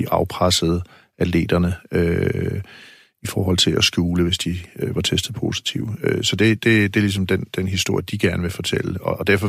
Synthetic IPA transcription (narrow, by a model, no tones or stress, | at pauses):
iʔɑ̈ʊpʰʁasəð̞̩ˠ | æle̝̰ːd̥ɐnəø | ifɒːɦɒ̽l̰t͡sʰe̝lɒsɡ̥uːləʋe̝sd̥iøʋɑ̈t͡sʰesd̥ð̩ˠpʰo̝̰ːsi̥t͡sʰiʊøsɒ̽d̥e̝d̥e̝d̥e̝lis̬ɒ̽md̥end̥enɦisd̥o̝ɐ̰jəd̥iɡ̥æɐnəʋe̝fɒ̽t͡sʰḛl̰əɒ̽d̥æɐ̰fɒ̽